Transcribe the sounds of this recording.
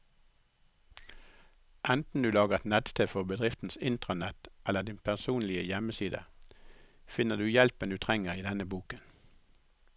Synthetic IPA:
ʔɛnt̪n̩d̪ʉːlɑːɡəʁɛt̪nɛt̪st̪ʰeːfɔbəd̪ʁɪft̪n̩sɪnt̪ʁənɛt̪ʔɛləʁd̪ɪnpʰæʁsuːnlɪəjɛməsiːd̪ə̰ | fɪnəd̪ʉːjɛlpəɛnd̪ʉːt̪ʰʁɛŋəʁiːd̪ɛnəbuːkən

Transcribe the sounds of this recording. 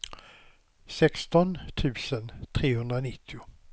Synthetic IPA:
sɛkst̪ɔnt̪ʰʉ̟ːsənt̪ʰɾeːhɵnd̪ɾanɪt̪ʰːɪʊ

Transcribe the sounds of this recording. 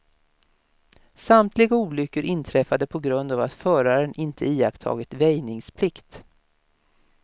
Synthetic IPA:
samt̪ʰlɪɡauːlʏkːəɾʔɪnt̪ʰɾɛfad̪əpʰɔɡɾɵnd̪aːvat̪fœːɾaɾənʔɪnt̪ʰəiːakt̪ʰɑ̰ːɡɪt̪vɛjnɪŋspʰlɪkt̪

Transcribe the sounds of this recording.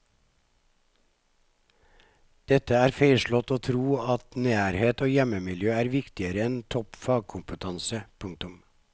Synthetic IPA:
d̪̥ɛt̪əæːɾfeɪʃɭɔt̪oːt̪ʰɾuːɑt̪næːɾheːt̪oːjɛməmɪljøːæːɾʋɪkt̪ɪəɾəɛnt̪ʰɔpfɑːɡ̚kʰʊmpət̪ʰɑnsəpʰʉŋ̚t̪ʊm

